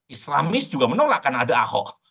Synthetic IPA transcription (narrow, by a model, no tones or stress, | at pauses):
isla̰mɪsd͡ʒuɡamənolaʔkanaadaa̰hɔ̰ʔ